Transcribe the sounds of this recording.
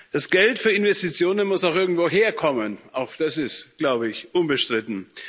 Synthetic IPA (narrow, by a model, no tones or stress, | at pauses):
d̥asɡ̥ɛltfyːɐɪnvɛstit͡sjoːnənmʊsaʊxʔɪɐɡŋ̩tv̥oːɦeːɐkʰɔmənaʊxd̥asɪstɡ̥laʊbəɪçʔʊnbəʃtʁ̥ɪtn̩